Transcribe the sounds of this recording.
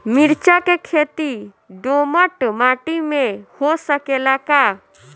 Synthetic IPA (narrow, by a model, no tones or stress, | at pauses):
mɪɾt͡ʃakekʰeːt̪i | ɖoməʈmaːʈimẽhosəkelaka